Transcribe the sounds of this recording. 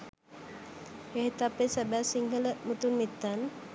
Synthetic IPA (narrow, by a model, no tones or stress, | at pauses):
hehit̪apesabasiŋɡələʔmut̪unmit̪an